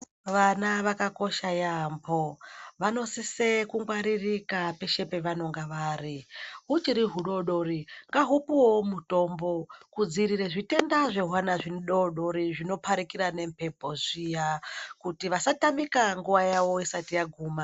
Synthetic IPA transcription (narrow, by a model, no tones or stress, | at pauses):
ʋanaʋakako̞ʃajamboʋano̞sisekuŋɡwaɾirikape̞ʃe̞pe̞ʋano̞ŋɡaʋaːriɦut͡ʃiɾiɦuɗo̞ɗo̞ɾiŋɡaɦupuwomuto̞mbo̞kud͡ziɾiɾeʐite̞ndaʐe̞ɦwanaʐinɗoɗo̞ɾiʐino̞pʰaɾikiɾane̞mpʰe̞mpo̞zijakutiʋasatamikaŋɡuʋajaʋo̞isatijaɡʱuːma